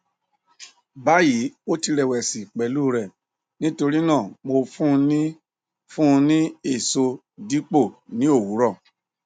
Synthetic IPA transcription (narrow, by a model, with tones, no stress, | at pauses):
ba˨˦ji˨˦o˦ti˧ɾɛ˨wɛ˨si˨k͡pɛ˨˦lu˦ɾɛ˦˨ | nĩ˦to˧ɾi˦nãː˦˨mo˧fũ˦˧nĩ˦ | fũ˦˧nĩ˦e˦˨so˧ | di˦k͡po˦˨nĩ˦o˦˨wu˨˦ɾɔ˦˨